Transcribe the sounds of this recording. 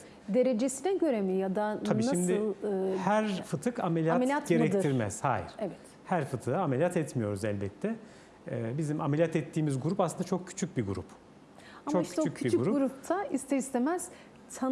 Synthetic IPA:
d̪e̞ɾed͡ʒesinɛɟø̞ɾemijad̪aabiːʃaimd̪ɪlˠɯːhæɾfɯt̪ʰɯkamelʲjatmʲjat̪ɟeɾɛkt̪ʰiɾmɛ̰z̥haːjḭɾ̥evɛt̪ | hæɾfɯt̪ʰɯːaamelʲjat̪ʰɛt̪mijo̞ɾuzɛlʲbɛt̪ʰːɛ | ɛbizimamelʲjat̪ɛt̪ʰːiːmizɡuɾupaslɯnd̪at͡ʃʰo̞k̚cʰy̥t͡ʃʰyc̚biɡuɾup | at͡ʃmokʃcʰyt͡ʃːycʰyiɡɡuɾuɡuɾup̚t̪ʰaist̪ɛist̪ʰemɛz̥ | t̪ʰa

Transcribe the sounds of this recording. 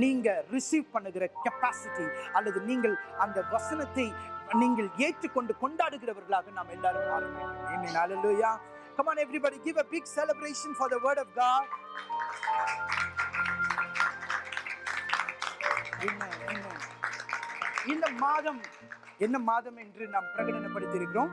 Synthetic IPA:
niːŋɡɐɾɪsiːʋpɐɳːɯɣɪɾɐkɐpaːsɪʈiɐlːɐðɯniːŋɡɐɭɐnd̪ɐʋɐsɐnɐt̪ːɐɪniːŋɡɐɭeːʈ̪ɾɯkːɔɳɖɯkɔɳɖaːɽɯɣɪɾɐʋɐɾɣɐɭaːɣɐnaːmɛnːaːlɯmaɐɛnːenhaleluːjaː | kɐmaːnɛʋɾibɐɽiɡɪʋɐbɪɡsɛlɐbɾeɪʂɐ̃nfɔɾðɐʋəːɾɖɔfɡaːd | ɪnːɐɪnːɐ | ɪnd̪ɐmaːðɐm | ɛnːɐmaːðɐmɛndrɯnaːmpɪɾɐɣɐɽɐnɐpːɐɽɯt̪ːɪɾɯkːɪɾõː

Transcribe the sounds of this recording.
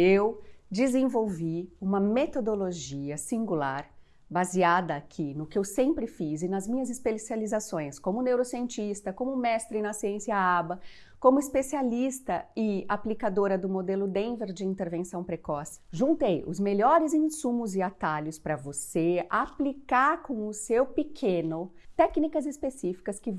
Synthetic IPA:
ewd͡ʒɪzẽvowviũmɐmet̪od̪oloʒiɐsĩŋɡulaɾ | baziad̪ɐakʰinʊkɪewsẽmpɾɪfizɪnɐzmĩɲɐzɪspesializasõj̃skõmʊnewɾosiẽnt͡ʃist̪ɐkõmʊmɛst̪ɾɪnɐsiẽsiɐabɐ | kõmʊispesialist̪ɐɪa̰plikad̪oɾɐd̪ʊmod̪elʊd̪ẽveɾd͡ʒɪĩnt̪eɾvẽsɐ̃w̃pɾekɔsʒũnt̪ejʊ̰zmeʎɔɾɪzĩsũmʊzɪat̪aʎʊspɾɐvoseaplikaɾkõw̃ʊsewpɪkʰẽnʊt̪ɛknikɐzɪspesifi̥kɐskɪ

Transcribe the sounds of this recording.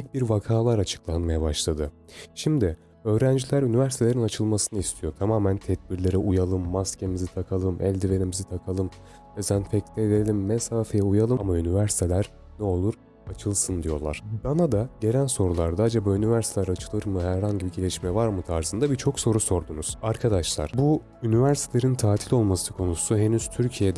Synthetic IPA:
c̚biɾvakʰaːlˠaɾat͡ʃʰɯ̥klˠanmajabaʃlˠad̪ɯ | ʃimd̪ɪ | ø̞ːɾænd͡ʒilʲæɾynivæɾsit̪ʰe̞lʲe̞ɾinat͡ʃʰɯlˠmasɯnɯist̪ʰijo̞t̪ʰamaːmænt̪ʰɛd̪̚biɾlʲe̞ɾɛʔujalˠɯmːascʰemizit̪ʰakʰalˠɯmʔɛ̰lʲd̪iveɾimizit̪ʰakʰalˠɯm | ezænfɛc̚t̪ʲɛveɾelʲimːesaːfejɛujalˠɯamaynivæɾsi̥t̪ʰe̞lʲæɾ̥ | nɛo̞lˠuɾ | at͡ʃʰɯlˠsɯnd̪ijo̞̰lˠa̰ɾ̥b̪anad̪aɟe̞lʲænso̞ɾulˠaɾd̪aad͡ʒabaynivæɾsit̪ʰelʲæɾat͡ʃʰɯ̥lˠɯɾmɯɦæɾɦaɲɟibiɟelʲɛʃmɛvaɾmɯt̪ʰaɾzɯnd̪abit͡ʃʰo̞kso̞ɾuso̞ɾd̪unuz̥aɾkʰad̪aʃlˠa̰ɾ̥bu | ynivæɾsit̪ʰelʲeɾint̪ʰaːt̪ʰilʲo̞lˠmasɯkʰo̞nusuɦe̞nyz̥t̪ʰyɾcʰijed̪

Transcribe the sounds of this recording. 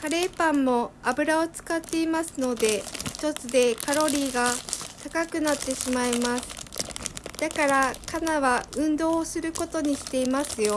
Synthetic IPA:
kaɾe̞ːpãmːo̞abɯ̟ɾao̞t͡sɨ̥kat̪ːe̞imasɨno̞d̪e̞çi̥t̪o̞t͡sɨd̪e̞kaɾo̞ɾʲiːɡat̪akakɯ̟nat̪ːe̞ɕimaimasɨ̥ | d̪̥akaɾakanaβaɯ̟̃nd̪o̞ːsɨɾɯ̟ko̞t̪o̞ɲ̟iɕi̥t̪e̞imasɨjo̞

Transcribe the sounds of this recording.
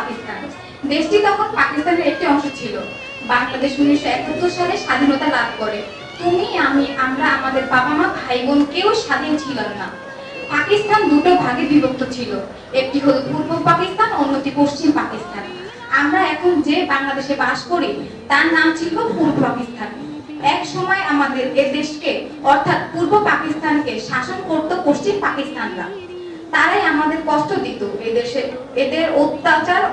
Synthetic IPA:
akist̪ʰan | d̪eʃʈid̪ɔkʰonpakist̪ʰaneɾek̚ʈiɔŋʃot͡ɕʰilo | baŋlad̪eʃmuniʃɛkot̪ːoʃaleʃad̪ʱinot̪alad̪ʱkoɾe | t̪umiamiʔamɾaamad̪eɾbabʱamaajbonkeoʃad̪ʱint͡ɕʰilamna | pakist̪ʰand̪uʈobʱaɡebibʱok̚t̪ʰot͡ɕʰilo | ek̚ʈiɦod̪ufuɾbolpakist̪ʰanonːot̪ipoʃt͡ɕimpakist̪ʰan | amɾaɛkʰond͡ʑebaŋlad̪eʃebaʃkoɾi | t̪aɾnamt͡ɕʰilbopuɾopakist̪ʰan | ɛkʃɔmɔeamad̪eɾed̪eʃke | ɔɾt̪ʰat̪̚puɾbopakist̪ʰankeʃaʃonkoɾt̪opoʃt͡ɕimpakist̪ʰanɾa̰ | t̪aɾajamad̪eɾkɔst̪ʰod̪it̪oeee | ed̪eɾot̪ːat͡ɕaɾ

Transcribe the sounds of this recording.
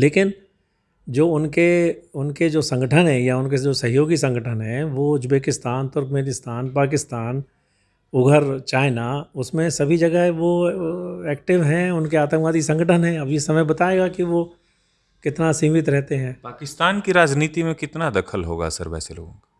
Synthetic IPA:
leːkɪn | d͡ʒoːʊnkeʊnked͡ʒoːsɐ̃ŋɡəʈʰənɦɛ̃jaʊnked͡ʒoːsɐɦjoːɡisɐ̃ŋɡəʈʰənɦɛ̃ʋoːd͡ʒʊbeːkɪst̪aːnt̪ʊɾkmeːnɪst̪aːnpaːk̬ɪst̪aːn | ʊɡʱəɾt͡ʃaːɪnaʊsmẽsɐbʱid͡ʒɐɡəɦɛʋo | ɛːk̚ʈɪʋɦɛ̃ʊnkeaːt̪ə̃mkʋaːd̪isɐ̃ŋɡəʈʰənɦɛ̃ɐbjesɐməjbɐt̪aːeːɡakiʋo | kɪt̪nasĩːmɪt̪ɾɛɦt̪eɦɛ̃ːpaːkɪst̪aːnkiɾaːd͡ʒniːt̪imẽkɪt̪nad̪ɐkʰəlɦo̰ːɡa̰sə̰ɾbɛ̰ːsḛlo̰ːɡõ̰kḁ

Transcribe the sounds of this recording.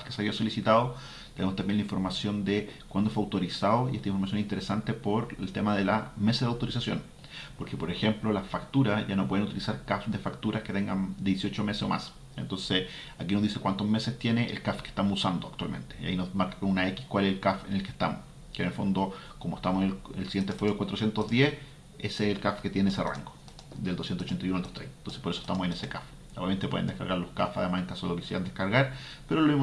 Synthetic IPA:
kafkeseaβiaso̞lisit̪aðo | t̪enemost̪ambjenlaĩɱfoɾmasjo̞nd̪ekwand̪oefeawt̪oɾisaðoiʔest̪aiɱfoɾmasjonesint̪eɾesant̪e̞poɾḛlt̪emaðelameseaðawt̪oɾisasjo̰n | poɾkepo̞ɾexe̞mplo̞lafakt̪uɾaʝano̞pweðenut̪ilisaɾkafd̪efakt̪uɾʔahket̪eŋɡa̰nd̪jesio̞t͡ʃomesesomʔa̰s | ent̪o̞nse | akinozðisekwant̪ozme̞sest̪jeneʔḛlkafke̥ht̪amosusand̪oakt̪wa̰lme̞̰nt̪eja̰inoðmaɾkḁkonunaeki̥hkwaleselkafenelkehst̪amos | kenelfo̞nd̪okomoeht̪amoseneelsiɣjent̪efwejoekwat̪ɾosjent̪ozðjeh | eseːlkafket̪jeneesera̰ŋɡo | d̪eld̪osjent̪osot͡ʃent̪ajunold̪ot̪ɾejnt̪o̞nse̥poɾesoe̥ht̪amosenesekaf | a̰ament̪epweðend̪ekaɾɣaɾlohkafa̰ðemaseŋkasoelokiseɾand̪ekaɾɣaɾ | peɾoelomim

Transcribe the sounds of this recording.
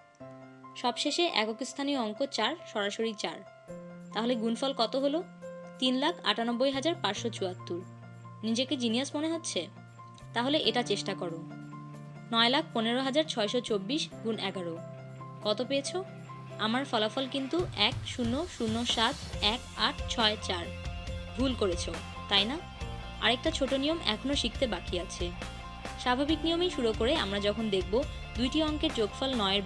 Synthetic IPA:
ʃɔbʃeʃeʔɛ̰kokist̪ʰanioɔŋkot͡ɕaɾʃɔɾaʃoɾit͡ɕaɾ | t̪aɦoleɡunfɔlkɔt̪oɦolo | t̪inlakʰa̰ʈanobːojɦad͡ʑaɾpaɾʃot͡ɕuat̪ːuɾ | nid͡ʑeked͡ʑiniasmoneɦotːɕʰe | t̪aɦoleʔeʈat͡ɕeʃʈakɔɾo | nɔelak̚ʰponeɾoɦad͡ʑaɾt͡ɕʰɔeʃot͡ɕobːiʃɡunɛɡaɾo | kɔt̪opeet͡ɕʰo | amaɾfɔlafɔlkint̪uʔɛkʃunːoʃunːoʃat̪ʰɛkaʈʰt͡ɕʰɔet͡ɕaɾbʱulkoɾet͡ɕʰo | t̪ajna | a̰ɾek̚ʈat͡ɕʰoʈonijomɛ̰kʰonoʃik̚t̪ʰebakʰiat͡ɕʰe | ʃabʱabiknijomijʃuɾokoɾeamɾad͡ʑɔkʰond̪ek̚ʰbo | d̪ujʈiɔŋkeɾd͡ʑoɡfɔlnɔeeɾ

